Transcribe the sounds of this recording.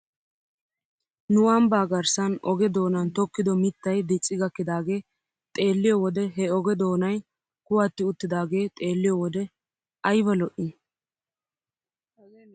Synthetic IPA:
nʊwɐmbaːɡɐɾsɐnɔɡɛd̪o̞ːnɐnt̪ɔkːɪd̪ɔmɪt̪ːɐjd̪ɪt͡sʼːɪɡɐkːɪd̪aːɡe̞ː | t̪ʼe̞ːlːɪjɔwɔd̪ɛɦɛɔɡɛd̪o̞ːnɐj | kʊwat̪ːɪʊt̪ːɪd̪aːɡe̞ːt̪ʼe̞ːlːɪjɔwɔd̪ɛ | ɐjbɐlɔʔɪn

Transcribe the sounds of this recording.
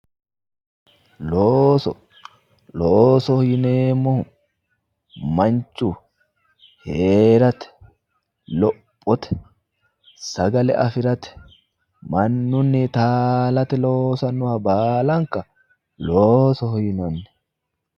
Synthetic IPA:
loːsɔ | loːsɔhɔjɪneːmːɔhʊ | mɐnt͡ʃːu | heːɾɐt̪ɛ̥ | lɔpʼːɔt̪ɛ̥ | sɐɡɐlɛ̰ʔɐfɪɾɐt̪ɛ̥ | mɐnːʊnːɪt̪aːlɐt̪ɛlo̞ːsɐnːʊhɐbaːlɐŋkɐ | loːsɔhɔjɪnɐnːɛ

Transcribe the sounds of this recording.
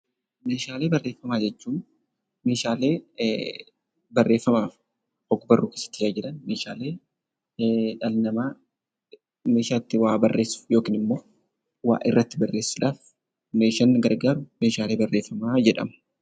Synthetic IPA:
me̞ːʃaːle̞ːbɐrːe̞ːfːɐmaːd͡ʒɛt͡ʃːuːn | me̞ːʃaːle̞ː | bɐrːe̞ːfːɐmaːf | ɔɡʊbɐrːuːkesːɐt̪ːɪsaːd͡ʒɪᶑɐnmeːʃaːle̞ː | ᶑɐlnɐmaː | meːʃaːt̪ːɪwaːbɐrːe̞ːsːʊ̥jo̞ːkiːnɪmːo̞ː | wa̰ːʔɪ̰rːɐt̪ːɪbɐrːeːsːʊᶑaːf | meːʃɐnːɡɐɾɡaːɾʊme̞ːʃaːle̞ːbɐrːeːfːɐmaːd͡ʒɛᶑɐ̰mɐ̥

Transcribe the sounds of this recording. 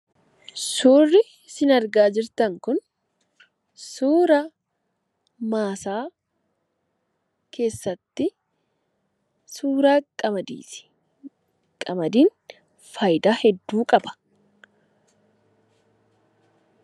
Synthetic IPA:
suːrːɪ | sɪnɐɾɡaːd͡ʒɪɾt̪ɐŋkʊn | suːɾa | maːsaː | kʰe̞ːsːɐt̪ːɪ | suːɾaːkʼɐmɐd̪ḭːsɪ̥ | kʼɐmɐd̪iːn | fɐjd̪aːhɛd̪ːuːkʼɐbɐ̥

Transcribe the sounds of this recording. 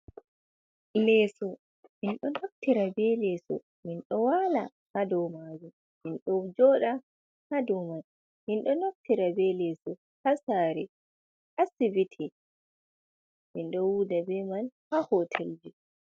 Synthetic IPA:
lɛːsɔ | minɗɔnof̚tiɾabɛlɛsɔ̰ | minɗɔwala | hadɔwmaːd͡ʒum | minɗɔd͡ʒɔːɗa | hadɔman | minɗɔnof̚tiɾabɛlɛsɔ | hasaːɾɛ | ʔasibitʰɛ | minɗɔwudabɛmanhahɔtʰeld͡ʒi

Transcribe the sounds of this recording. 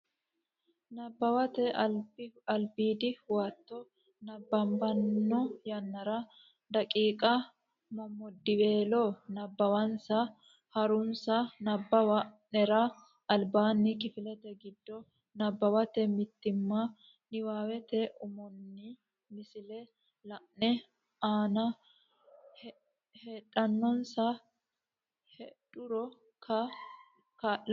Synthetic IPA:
nɐbːɐwɐt̪ɛbɐlbiːd̪ɪwaːt̪ːɔ | nɐbːɐmbɐnːɔjɐnːɐɾɐ | d̪ɐkʼiːkʼɐ | mɐmːɔd̪ːɪweːlɔnɐbːɐwɐnsɐ | hɐɾʊnsɐnɐbːɐwɐ | nɛɾɐ | ɐlbaːnːɪkɪfɪlɛt̪ɛɡɪd̪ːɔ | nɐbːɐwɐt̪ɛmɪt̪ːɪmːɐ | nɪwaːwɛt̪ɛʔʊmɔnːɪ | mɪsɪlɛ | lɐʔnɛ | aːnɐ | h | heᶑʼɐnːɔnsɐ | hɛᶑʊɾɔ | kʰɐ | kɐ

